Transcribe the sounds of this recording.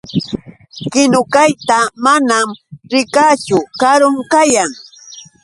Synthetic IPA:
kɪnʊkajt̪amanamɾɪkat͡ʃʊkaɾʊŋkajaŋ

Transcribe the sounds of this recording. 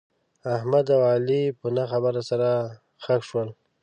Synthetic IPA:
ahmad̪awɑlipənaxabaɾasaɾa | xakʂwəl

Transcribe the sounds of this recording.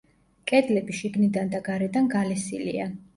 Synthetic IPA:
kʼɛd̪lɛbiʃiɡnid̪and̪aɡaɾɛd̪anɡalɛsḭlḭa

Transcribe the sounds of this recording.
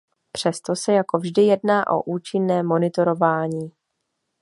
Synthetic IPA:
pr̝̥ɛst̪o̞sɛjako̞vʒdɪjɛdnaːʔo̞̰ʔuːt͡ʃɪnːɛːmo̞nɪt̪o̞ɾo̞vaːɲiː

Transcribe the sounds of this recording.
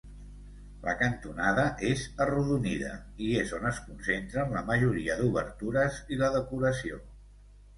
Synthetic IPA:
lə̰kənt̪unaðəʔezəruðunḭðə̰iezonəskunsent̪ɾəmləməʒuɾiəðuβə̰ɾt̪uɾəziləðəkuɾəsio

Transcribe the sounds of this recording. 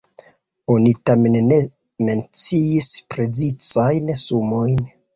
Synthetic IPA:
o̞nitame̞nːe̞ | me̞nt͡siispɾe̞zit͡sajnsumo̞jn

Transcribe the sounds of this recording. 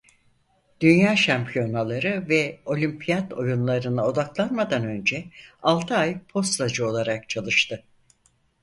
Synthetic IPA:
d̪̥ynjaːʃampʰijo̞nalˠaɾɯvɛo̞lʲympʰijad̪o̞̰junlˠaɾɯnɯo̞d̪aklˠanmad̪anø̞nd͡ʒɛalˠt̪ʰɯajpʰo̞st̪lad͡ʒɯo̞lˠaɾak̚t͡ʃʰalˠɯʃt̪ʰɯ

